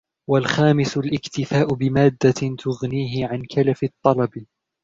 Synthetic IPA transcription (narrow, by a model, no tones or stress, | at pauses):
walxaːmɪsʊlʔɪkt̪ɪfaːʔʊbɪmaːd̪ːat̪ʰʊɣniːɦɪʕankʰalafɪt̪ˤːɑlɑb